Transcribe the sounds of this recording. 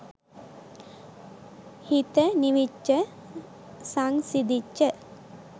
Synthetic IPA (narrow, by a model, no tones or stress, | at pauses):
hit̪əniʋit͡ʃːə | saŋsid̪it͡ʃːə